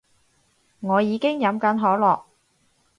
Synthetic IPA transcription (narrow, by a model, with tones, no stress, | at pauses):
ŋɔː˨˧jiː˨˧kɪ˥ŋjɐ˨˧mkɐ˨˥nɦɔː˨˥lɔː˨k̚